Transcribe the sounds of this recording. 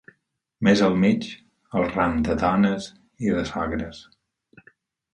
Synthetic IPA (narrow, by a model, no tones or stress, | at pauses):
mezəlˠmit͡ʃ | əlˠramd̪əðanəz | iðəsaɣɾəs